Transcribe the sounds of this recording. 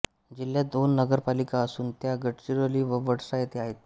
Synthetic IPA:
d͡ʑiljad̪onːəɡəɾpalikaəsuːnt̪jaɡəʈɕiɾoliːʋəʋəɽsajet̪eaɦet̪̚

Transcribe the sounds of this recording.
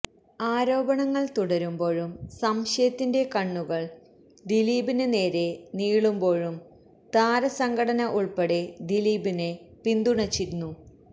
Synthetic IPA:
aːɾo̞ːbɐɳɐŋːɐɭt̪uɽɐɾumbo̞ːɻumsɐmɕjɐjɐt̪ːinde̞kɐɳːuɣɐɭ | d̪iliːbinɨne̞ːɾe̞niːɭumbo̞ːɻum | t̪aːɾɐsɐŋɡɐɽɐnɐʔuɭpɐɽe̞d̪iliːbinepind̪uɳɐt͡ɕːiɾunːu

